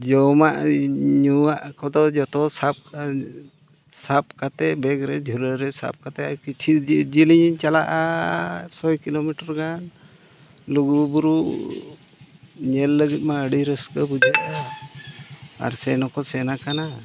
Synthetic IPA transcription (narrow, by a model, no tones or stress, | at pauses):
d͡ʒɔmaʔɲuaʔkɔd̪ɔd͡ʒɔt̪ɔsap̚ | sap̚kat̪ɛbɛɡɾɛd͡ʒʱuləɾɛsa̰p̚kat̪ɛakit͡ʃʰid͡ʒiliɲt͡ʃalaʔa | sɔjkilomiʈɔɾɡan | luɡubuɾu | ɲɛlːəɡit̪̚ˀmaəɖiɾəskəbud͡ʒaʔa | a̰ɾsɛnɔkɔsɛnakana